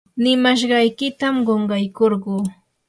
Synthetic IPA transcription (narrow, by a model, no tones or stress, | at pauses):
nɪmaʃ̬ɢɑjkɪt̪amɢoɴɢɑjkoɾɢuː